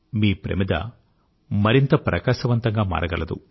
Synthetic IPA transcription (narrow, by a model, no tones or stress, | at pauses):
miːpɾḛmid̪ɐ̰ | mɐɾint̪ɐpɾɐ̰kaːʃɐʋɐnt̪ɐŋɡaːma̰ːɾʔɐɡɐlɐd̪ṵ